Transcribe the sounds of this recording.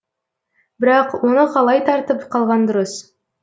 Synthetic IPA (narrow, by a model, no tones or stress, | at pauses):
bɪɾɑqwo̞nəqʰɑlˠɑjt̪ʰɑɾt̪əpqʰɑlˠʁɑnd̪ʊɾəs